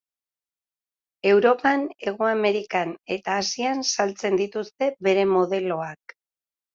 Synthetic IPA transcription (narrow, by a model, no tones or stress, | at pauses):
e̞wɾo̞pane̞ɣ̞oame̞ɾikane̞t̪aːsiansalt͡se̞nd̪it̪ust̪e̞βe̞ɾe̞mo̞ðe̞lo̞ak